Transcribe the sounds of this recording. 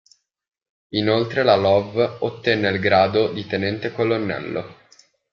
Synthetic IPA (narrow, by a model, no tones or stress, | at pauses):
inolt̪ɾelalɔvot̪ːɛnːelɡɾaːd̪od̪it̪enɛnt̪ekolonːɛ̰lːo̰